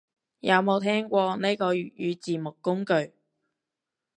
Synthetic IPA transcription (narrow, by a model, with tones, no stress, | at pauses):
jɐ˨˧wmo˨˧wt̪ʰɛː˥ŋkʷɔː˧ne˥kɔː˧jy˨jyː˨˧t͡siː˨mʊ˨kːʊ˥ŋkɵ˨˧ɥ